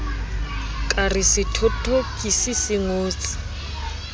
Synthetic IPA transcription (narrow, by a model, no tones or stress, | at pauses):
kʼarɪsɪtʰɔtʰʼokʼisisɪŋoːt͡sʼi̥